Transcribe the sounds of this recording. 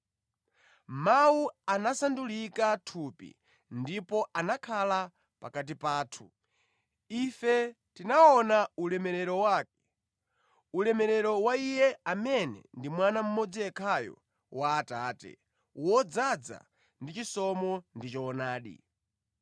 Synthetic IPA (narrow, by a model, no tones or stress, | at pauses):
mawuanasandulikatʰupḭ | ndipɔʔanakʰala | pa̰kat̬ipaːtʰu̥ | ifɛ | tinaɔnaulɛmɛɾɛɾɔwaːk̚ɛ̥ | ulɛmɛɾɛɾɔwaijɛamɛnɛ̰ndimwanam̩mɔd͡ziɛkʰajɔ̰ | waːtaːtɛ̰ | wɔd͡zad͡za̰ | ndit͡ʃisɔmɔndit͡ʃɔːnaːɗḭ